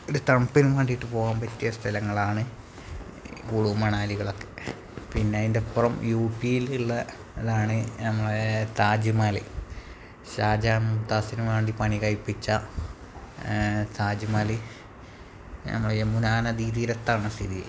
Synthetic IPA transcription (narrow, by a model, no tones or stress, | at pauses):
oɾut̪ɐmpːinuʋeːɳɖijiʈːɨpo̞ːɣaːmpɐtːijɐst̪ʰɐlɐŋːɐɭaːɳɨ | kuːɽumɐɳaːliɣɐɭo̞kːe̞ | pinːeɐðindepːrɐmjuːpːijiliɭːɐː | ðaːɳɨnɐmːɐɭet̪aːd͡ʑimaːlḭ | ɕaːd͡ʑaːnmut̪ːaːsinuʋeːɳɖipɐɳikɐɻipːit͡ɕːɐ | t̪aːd͡ʑimaːli | nɐ̰mːɐɭemːunaːnɐd̪iːðiːɾɐt̪ːaːɳɨst̪ʰiðij